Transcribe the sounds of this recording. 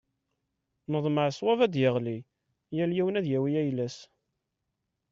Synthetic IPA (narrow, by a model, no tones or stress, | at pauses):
məðˤməʕswævæd̪jəʁli | jæljiwnæðjæwijæjlæs